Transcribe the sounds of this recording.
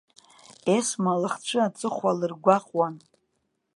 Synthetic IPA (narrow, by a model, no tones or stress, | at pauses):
esmalɨχt͡ʃʷʰɨat͡sʼɨχʷwalɨrɡʷaqʼwan